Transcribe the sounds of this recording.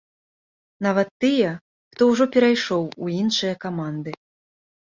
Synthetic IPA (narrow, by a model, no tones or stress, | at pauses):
navɐt̪ːɨjɐ | xt̪ɔwʐɔpʲɛɾajʂɔwuinʂɨjɐkamand̪ɨ